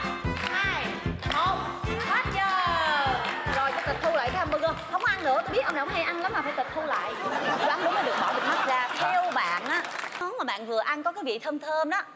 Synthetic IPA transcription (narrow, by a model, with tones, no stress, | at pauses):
haː˧jo˧˩ | t̪waː˦˥t̚t͡ɕəː˧ | zo˨˩jt͡ɕɔ˧˩t̪i˨˩t̪ʰu˧la̰ː˧˨j̪ə˨˦ʔə˧ŋ͡mɓəː˧ɣəː˧˩xə˧wŋ͡mkɔ˧ʔa˧nːɨ̰˧˥t̪o˧jɓi˦˥t̚ə˧ŋ͡mɗŋ͡mha˧jʔa˧nla˨˦ma˨˩faː˧˩jt̪i˨˩k̚t̪ʰu˧la̰ː˧˨jt͡ɕu˧waː˨˦nɗʊ˨˦ŋ͡mməː˨˦ɗɨ˨˩ək̚ɓɔ̰˧˩vi˨˩ma˦˥t̚zaː˧t̪ʰɛ˧wɓa̰ː˧˨nʔaː˨˦mɔ˨˦nmaː˨˩ɓa̰ː˧˨nvɨ˨˩əʔa˧nkɔ˨˦kaː˨˦jvḭ˧˨t̪ʰəː˧mt̪ʰəː˧mɗɔː˨˦